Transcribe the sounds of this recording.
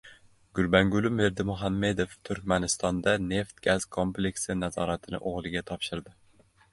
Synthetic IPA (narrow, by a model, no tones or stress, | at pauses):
ɡ̥ʊlbæŋɡʊlˠɪmeɾd̪ɪmʊɦamːed̪oft̪ʰʊɾkʲmænɪst̪ɒnd̪ane̞ft̪ɡ̥ʲaz̥kʰomplekʲsɪnæzɒːɾat̪ʰɪnɪ̰ʔoʁlˠɪɡʲɛt̪ʰɒpʃɪɾd̪ɪ